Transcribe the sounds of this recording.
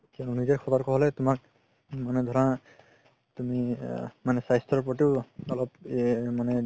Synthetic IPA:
kanunizɛkʰɔtɔɹkʰɔɦɔlɛtʊmak̚ | manɛd̪ʱɔɹɔa | tumimanɛsajstɔpɔt̬iʊɔlɔpmanɛ

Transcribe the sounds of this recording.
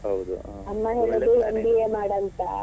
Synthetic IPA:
ɦɐwd̪u | ɐmːɐɦeːɭud̪uɦond̪ijeːmaːɽɐnt̪ɐ̰

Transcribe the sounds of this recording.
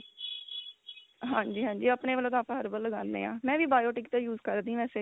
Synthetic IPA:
ɦãːɲd͡ʒiːɦãːd͡ʒiːəpneːʋəloːd̪ãːpãːɦəɾbəlləɡãːnd̪ḛːã̰ːmɛ̃ːʋiːbaːjoːʈɪkt̪ẽːjuːzkəɾd̪ĩːʋɛːseː

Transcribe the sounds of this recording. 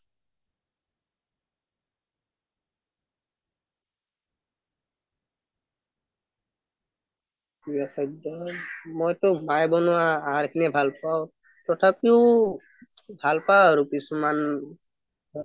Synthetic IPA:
ijakɔdɔmojtʊmajbɔnʊwaːɦaɹkʰinɛbʱalpaw | tɔtʰapiʊ | bʱalpaɹupisuman

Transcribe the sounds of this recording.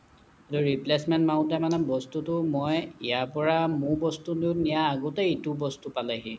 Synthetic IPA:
etuɹiplesmɛntmaʊ̃tɛmanɛbɔstutʊmɔjijapɔɹamubɔstudinijaːɡɔtɛitubɔstupalaɦĩ

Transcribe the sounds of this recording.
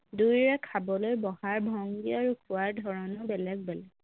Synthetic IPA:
dujɹɛkʰabɔlojbɔhaɹbʱɔŋɡiaɹukʰʊwaɹdʱɔɹɔnɔbɛlɛɡ̚bɛlɛɡ

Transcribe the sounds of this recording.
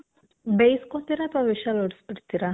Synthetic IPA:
bejskot̪iɾat̪aʋiʃaloɽspiɽt̪iɾa

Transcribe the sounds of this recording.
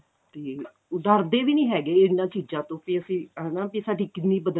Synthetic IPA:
t̪eː | ʊd̪aːɾd̪eːʋiːnĩːɦɛːɡeːɪnãːt͡ʃiːd͡ʒãːt̪õːpiːəsĩːɛnãːpiːsaːɖiːkɪt̪niːbəd̪ə

